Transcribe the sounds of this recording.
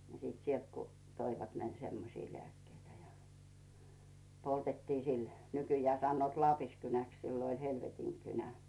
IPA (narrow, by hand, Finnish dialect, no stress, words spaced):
ni sit sielt ku toiʋɑt semːosi lĕæˑkːeitæ jɑ poltetːiː sil nykyjæː sɑnːoːt lɑːpiskynæks siːlo olʲ helʋetiŋkynæ